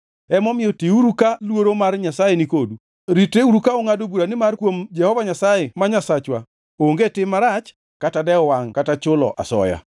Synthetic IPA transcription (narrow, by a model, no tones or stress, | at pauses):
ɛmɔmɪjɔtiuɾukalwoɾomarɲasajenikodu | ɾiteuɾukaoŋadobuɾanɪmarkwomd͡ʒɛhɔvaɲasajɛmaɲasat͡ʃwa | oŋɡetɪmːaɾat͡ʃ | katadɛɔwaŋkatat͡ʃʊlɔ̰ʔa̰sɔ̰ja̰